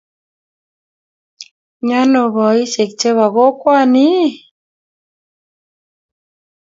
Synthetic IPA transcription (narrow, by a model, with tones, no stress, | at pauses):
ɲa˦nɔ˨βɔ˨i˦se˨k̚t͡ʃe˦βa˨ɣo˦kwa˦˨ni˦